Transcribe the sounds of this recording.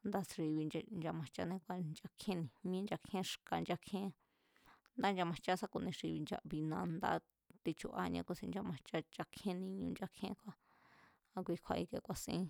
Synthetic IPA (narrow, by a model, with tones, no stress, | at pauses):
nd̪a˦˧sʂi˧βi˧n˧nd͡ʒa˧mã˧t͡ʃa̰˦nẽ˧kʷa˧nd͡ʒa˧kʰẽ˦nĩ˧˨mĩ˦nd͡ʒa˧kʰẽ˦ʂka˧nd͡ʒa˧kʰẽ˦ | nd̪a˦nd͡ʒa˧mã˧t͡ʃa˦sa˦ku˧nĩ˧ʂi˧βi˧nd͡ʒa̰˧βi˧nã˧nd̪a̰˦ | t̪i˧t͡ʃṵ˧ʔa˧ɲã̰˧kʷu˧sĩ˧nd͡ʒa˧mã˧t͡ʃa˦d͡ʒa˧kʰẽ˦nĩ˧ɲũ˧nd͡ʒa˧kʰẽ˦kʷa˧ | a˧kʷi˧˦kʷʰa˧ʔi˧kḛ˧kʷa˧sḭ̃˦